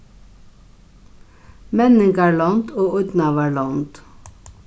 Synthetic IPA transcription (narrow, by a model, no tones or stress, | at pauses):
mɛnəŋɡæːɭɑnt̪oːʔʊd̪nɑʋæːɭɑnt̪